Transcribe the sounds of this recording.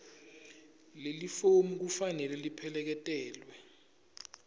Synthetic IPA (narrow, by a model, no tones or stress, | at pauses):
lelifomuk̬ufanɛlɛlipʰɛlɛk̬ɛtʼɛːlwɛ